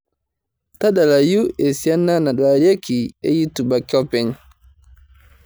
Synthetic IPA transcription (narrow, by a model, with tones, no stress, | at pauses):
ta˦ɗa˨la˨ju˦ɛ˨si˨a˦nːa˦na˨ɗa˨ɾi˦a˦ki˨ɛ̰˦ji˦tu˨ba˨kɔ˦pɛ˨ɲ